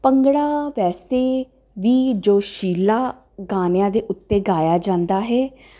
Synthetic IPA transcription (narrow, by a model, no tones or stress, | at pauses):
pəŋɡɽaːʋɛːst̪eː | ʋiːd͡ʒoːʃiːlaː | ɡaːnjãːd̪eːʔʊt̪ːeːɡaːjaːd͡ʒãːnd̪aːɦɛː